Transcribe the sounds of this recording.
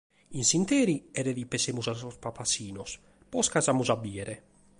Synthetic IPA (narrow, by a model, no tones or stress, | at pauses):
insint̪eːɾiɛɾeðipesemuzasɔspapasiːnɔs | pɔskazamuzabiɛɾɛ